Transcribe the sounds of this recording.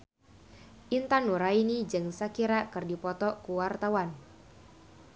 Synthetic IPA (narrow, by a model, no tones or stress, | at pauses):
ʔint̪anuɾainid͡ʒɨŋsakiɾakɨrdipɔt̪ɔkuwart̪awan